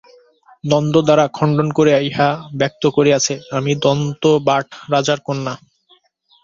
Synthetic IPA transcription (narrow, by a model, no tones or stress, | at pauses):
d̪ɔnd̪od̪aɾakʰɔɳɖonkoɾeajɦabɛk̚t̪okoɾeat͡ɕʰeamid̪ɔnt̪obaʈʰɾad͡ʑaɾkonːa